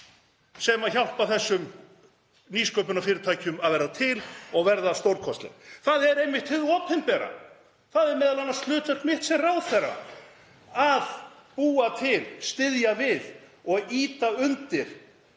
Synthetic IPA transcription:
sɛmaðçawhpaθɛsːʏm | niːskœːwp̬ʏnafɪːɾɪɾt̪ʰaːjcʏmaðvɛɾðat̪ʰɪlɔɣvɛɾðast̪owɾkʰɔst̪lɛ̰nθaðɛɾejnvɪht̪hɪðɔːpʰɛnpɛːɾa̰ | θaðɛɾmɛːðalanːast̪lʏːt̪œɾ̥k̪mɪht̪sɛmrawθɛra̰ | aðpuːat̪ʰɪlst̪ɪðjavɪðɔɣiːt̪aʏnt̪ɪɾ̥

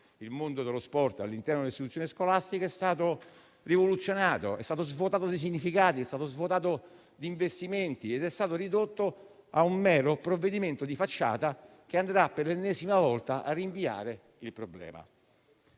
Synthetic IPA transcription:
ilmond̪od̪elospɔrt̪a̰lːint̪ɛɾnod̪elstit̪ut̪sːoniskolast̪ikoɛst̪aːt̪o | rivolut̪sːjonaːt̪o̰ɛst̪aːt̪ozvot̪aːt̪od̪is̬iɲːifikaːt̪iɛst̪at̪ozvot̪aːt̪o | d̪iɱvest̪iment̪ied̪ɛst̪aːt̪orid̪ot̪ːo | aumːɛːɾopɾovːed̪iment̪od̪ifat͡ʃːa̰ːt̪a | k̟eand̪ɾapːerlenːɛːzimavɔlt̪aʔa̰rːiɱvia̰ːɾe | ilpɾoblɛ̰ːma̰

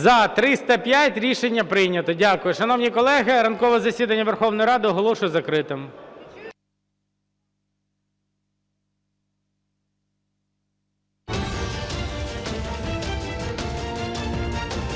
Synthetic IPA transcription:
zɐt̪ɾɪst̪ɐpʲjatʲɾʲiʃenʲːɐpɾɪjnʲɐt̪ɔdʲakʊjʊʃɐnɔwnʲijkɔlˠɛɦɪɾɐnkɔʋɛzɐsʲid̪ɐnʲːɐʋerxɔwnɔjɾɑd̪ɪɔɦɔlˠɔʃʊjɛzɐkɾɪt̪ɪm

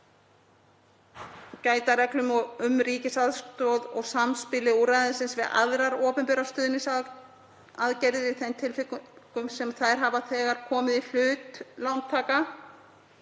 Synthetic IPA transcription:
caːjt̪aɾɛklʏmɔɣʏmɾiːcɪsaðst̪ɔwðɔɣsamspɪlɪuɾajðɪnsɪnsvɪða̰ðɾaɾɔːpʏmpɛɾast̪ʏːðɪnɪsa | aðcɛɾðɪθɛnt̪ʰɪlfɪkkʏmsɛmθaɾ̥ɦavaθɛːɣaɾ̥kʰɔːmɪðil̥ʏːt̪lawnt̪ʰaːka

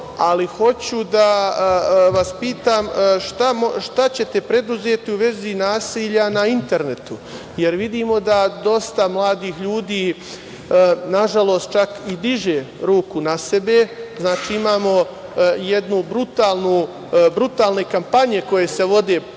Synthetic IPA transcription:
aliho̞t͡ɕud̪a | ʋaspiːt̪aːmʃt̪amʃt̪at͡ɕe̞t̪e̞pɾe̞d̪uzeːt̪iuʋe̞zinaːsiːʎanaint̪e̞ɾne̞t̪u | jeɾʋid̪iːmo̞d̪ad̪o̞st̪amlˠaːd̪iːxʎuːd̪iː | naʒalˠo̞ːst̪̚t͡ʃakid̪iʒeɾuːkunase̞be̞znaːt͡ʃiːimaːmo̞ | je̞d̪nubɾut̪aːlˠnu | bɾut̪aːlne̞kampaɲe̞ko̞jese̞ʋo̞d̪e̞ː

